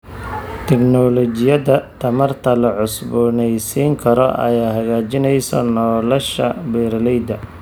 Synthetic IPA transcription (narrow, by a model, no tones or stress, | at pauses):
t̪ʰɛknɔlɔt͡ʃɪjɐðɐt̪ʰɐmɐrt̪ʰɐlɐʕʊsbʊnɛjsiːŋkʰɐɾɔ̰ʔɐ̰jaːɦɐɣaːt͡ʃɪnɛjsɔ̰nɔːlɔʃɐ̰bɛɾlɛjd̪ɐ